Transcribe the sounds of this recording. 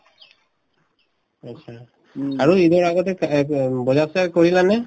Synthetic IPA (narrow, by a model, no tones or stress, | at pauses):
atːʃʰa | aɹuidɔɹaɡɔtɛkbɔzasakoɹilanɛ